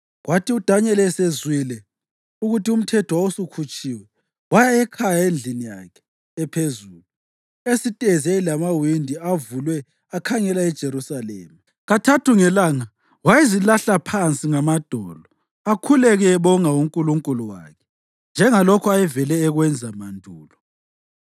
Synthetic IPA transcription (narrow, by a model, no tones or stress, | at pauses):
ɣwatʰiud̥ʱaɲɛlɛsezwilɛ | uɣutium̩tʰɛtʰwɔusukʰut͡ʃʼiːwɛ | wajaɛkʰajaend͡ɮʱinija̰kʰɛ̥ː | pʰezuːlu | esitʼɛzɛlamawindʱiavulwɛ | akʰaŋɛlaɛd̥ʒ̥ʱeɾusalɛ̰ːma | ɣatʰatʰuŋɛlaːŋa | wajezilaɬapʰant͡sʼiŋamad̥ʱɔ̰ːlɔ | akʰulɛɣɛɛβɔŋauŋkʼuluŋkʼuluwa̰kʰɛ̥ | nd͡ʒʱɛŋalɔkʰɔajɛvɛlɛːɣwɛnd͡zʱamandʱuːlɔ